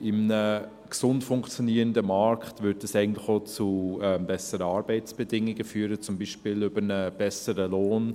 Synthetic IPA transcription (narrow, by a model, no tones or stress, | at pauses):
ɪmnə | ksʊntfʊŋkt͡sjoniːɾəndəmɑɾkχtvʏɾtəsɛɪɡən̩tlɪxoːt͡suɛmbɛsəɾəɑːɾbɛɪtt͡sb̥ɛdɪŋɪɡəfyːɾət͡sʊmbiːʃpɪlʏbənəb̥ɛsəɾəloːn